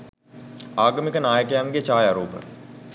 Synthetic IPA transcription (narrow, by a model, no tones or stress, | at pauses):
aːɡəmikənaːjəkəjaːnɡet͡ʃaːjaːɾuːpə̰